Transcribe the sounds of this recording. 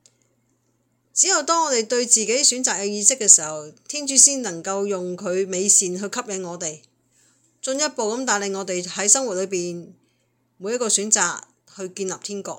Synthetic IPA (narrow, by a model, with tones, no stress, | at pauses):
t͡si˨˥jɐ˨wt̪ɔː˥ŋɔː˨˧t̪e˨jt̪ɵ˧ɥt͡siː˨ke˨˥jsyː˨˥nt͡saː˨k̚ːɛː˧jiː˧sɪ˥kːɛː˧siː˨˩hɐ˨wt̪ʰiː˥nt͡ʃyː˨˥siː˥nnlɐ˨˩ŋkɐ˧wjʊ˨ŋkʰɵ˨˧ɥme˨˧jsiː˨nɦɵ˧ɥkʰɐ˥p̚jɐ˨˧ŋŋɔː˨˧t̪e˨j | t͡sɵ˧njɐ˥t̚po˨wkɐ˨˥mt̪aː˨jle˨˩ŋɔː˨˧t̪e˨jhɐ˨˥jsɐ˥ŋwu˨t̚lɵ˨˧ɥp̬iː˨˩n | mu˨˧˥jɐ˥t̚kɔː˧syː˨˥nt͡saː˨k̚ | hɵ˧ɥkiː˧nlɐ˨p̚t̪ʰiː˥nkɔ̰ː˧k̚